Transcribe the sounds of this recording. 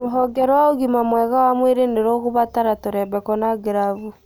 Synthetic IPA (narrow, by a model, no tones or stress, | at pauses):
moɦɔɡɛɾɔwaoɣimamwɛɣawamweɾeneɾoɣoβataɾatoɾɛβɛkɔnaɡeɾavu